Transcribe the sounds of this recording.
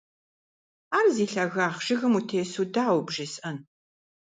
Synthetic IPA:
aːrziːɬɐɣaːχʒ̥ɪɣɐmutʰeːsudaːwbʒɪsʔɐn

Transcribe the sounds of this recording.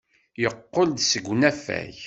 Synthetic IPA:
jəqːold̪səɡʷnæfæ̰ç

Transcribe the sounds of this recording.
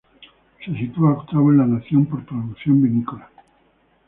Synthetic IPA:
se̞sit̪uaokt̪aβoenlanaθjo̞mpoɾt̪ɾaðukθjo̞mbinikola

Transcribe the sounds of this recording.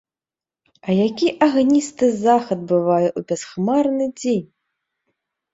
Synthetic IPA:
ɐjakʲiʔaɣnʲist̪ɨzaxɐd̪̚bɨvajɛʔubʲasxmarnɨd͡zʲenʲ

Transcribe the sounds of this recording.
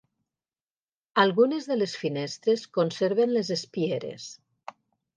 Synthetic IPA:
alˠɣunezðelesfinest̪ɾeskonseɾβenlezespieɾḛs

